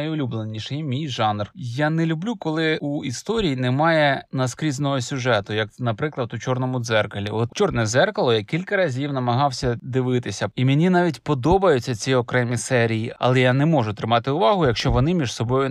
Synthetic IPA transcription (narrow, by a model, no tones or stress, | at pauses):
ɐjʊlʲublˠenʲiʃɛjmʲijʒɑnrjanɛlʲʊblʲukɔlˠɪuist̪ɔɾʲijinɛmɑjɛnɐskɾʲiznɔɦɔsʲʊʒɛt̪ʊjɐknɐpɾɪklˠɐd̪ʊt͡ʃɔrnɔmʊd̪zɛrkɐlʲḭɔt̪t͡ʃɔrnɛzɛrkɐlˠɔjakʲilʲkɐɾɐzʲiwnɐmɐɦɑwsʲɐd̪ɪʋɪt̪ɪsʲɐimʲenʲinɑʋʲitʲpɔd̪ɔbɐjʊt͡sʲːɐt͡sʲiɔkɾɛmʲisɛɾʲijiɐ̰lˠɛjanɛmɔʐʊt̪ɾɪmɑt̪ɪʊʋɑɦʊjɐkʃt͡ʃɔʋɔnɪmʲiʐsɔbɔjʊ